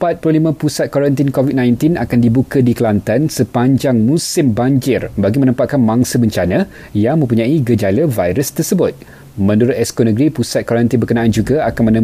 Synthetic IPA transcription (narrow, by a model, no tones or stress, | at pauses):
əpat̪̚pəlolimə̃pusat̪̚kwoɾant̪inkovit̪̚nãjnt̪inakandibukədikəlant̪ansəpaɲd͡ʒaŋmũsɪmbaɲd͡ʒɪrbaɡimə̃nə̃mpat̪̚kanmãŋsəməɲt͡ʃanə̃ | jaŋmə̃mpuɲãiɡəd͡ʒaləvajɾəst̪ərsəbʊt̪̚ | mə̃nduɾʊt̪̚ɛskonə̃ɡɾipusat̪̚kwoaɾant̪inbərkənãʔand͡ʒuɡaakanmənə̃